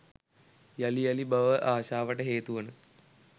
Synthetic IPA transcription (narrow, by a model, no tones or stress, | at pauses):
jalijɐlibɐʋəʔaːʃaːʋəʈəɦeːt̪uʋənə